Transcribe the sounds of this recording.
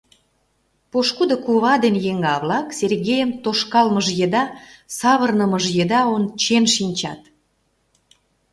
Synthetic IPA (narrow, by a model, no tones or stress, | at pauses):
poʃkud̪okuβɑd̪enjeŋɡɑβlɑkserɣejəmt̪oʃkɑlməʒjed̪ɑsɑβərnəməʒjed̪ɑont͡ɕenʃinʲt͡ɕɑ̰t̪